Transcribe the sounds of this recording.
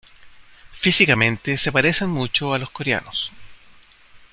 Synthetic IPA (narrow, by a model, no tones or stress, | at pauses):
fisikamẽ̞nt̪esepaɾesenmut͡ʃoaloskoɾea̰nos